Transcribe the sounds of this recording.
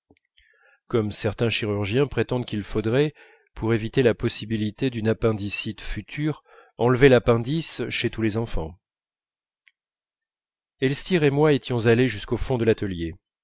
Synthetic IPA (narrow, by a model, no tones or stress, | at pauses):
kɔmsɛʁt̪ɛ̃ʃiʁyʁʒjɛ̃pχet̪ɑ̃d̪kʲilfod̪ʁɛ | pʰuʁevit̪elapɔsibilit̪ed̪ynapɛ̃d̪isit̪fyt̪ʰyʁ | ɑ̃lvelapɛ̃d̪isʃet̪ulezɑ̃fɑ̰̃ | ɛlst̪iʁemwaet̪jɔ̃zaleʒyskofɔ̃d̪əlat̪əlje